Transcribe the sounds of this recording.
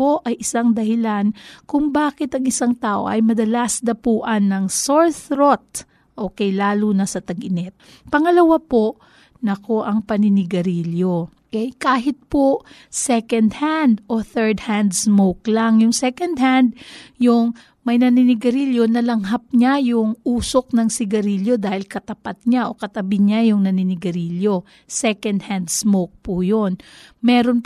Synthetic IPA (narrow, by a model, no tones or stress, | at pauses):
poʔɐjʔɪsaŋd̪ɐhɪlankʊŋbaːkɪt̪ɐŋɪsaŋt̪aːʔo̞̰ʔɐ̰jmɐd̪ɐlasd̪ɐpuːʔɐnːɐŋsoɹθɾot̪̚ | ʔoːkɛjlaːlunɐsɐt̪ɐɡɪnɛt̪̚ | pɐŋɐlɐwapo̞ʔ | nɐko̞ʔɐŋpɐnɪnɪɡɐɾiːljo̞ | ʔɛjkaːɦɪt̪̚po | sɛkɐnd̪hand̪ʔoθɛɹd̪̚hand̪smowklaŋjʊŋsɛkɐnd̪̚hand̪̚jʊŋ | mɐjnɐnɪnɪɡɐɾiljo̞nɐlɐŋɦap̚ɲajʊŋuːsok̚nɐŋsɪɡɐɾiːljo̞d̪aːhɪlkɐt̪ɐpat̪̚ɲaʔo̞kɐt̪ɐbɪɲajʊŋnɐnɪnɪɡɐɾiljo̞ | sɛkɐnd̪̚hand̪smowk̚pujonmɛːɾonp